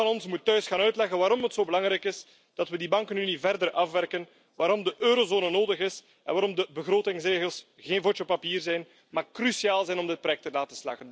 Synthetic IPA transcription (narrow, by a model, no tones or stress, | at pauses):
ɑnɔnsmutːœɥsxaːnœɥtlɛɣənwaːɾɔmɦətsoːbəlɑŋɾɛjkɪs | d̥ɑtwədibɑŋkənynivɛrdərʔɑfʋɛrkən | ʋaːɾɔmdəʔøːɾozoːnənoːdəɣɪs | ʔɛ̰nʋaːɾɔmdəbəɣroːtɪŋsreːɣəlˠs | ɣeːnvot͡ʃopapiːrzɛjn | makːrysiaːlˠzɛjnɔmdɪt̚pɾojɛk̚təlaːtəsla̰ːɣən